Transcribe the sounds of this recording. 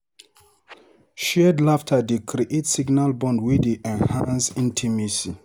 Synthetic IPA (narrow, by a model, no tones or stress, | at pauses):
ʃɛdlaftʰadekɾiʔetsiɡnalbɔ̃ndwideʔɛ̃nhãnsĩntʰimisi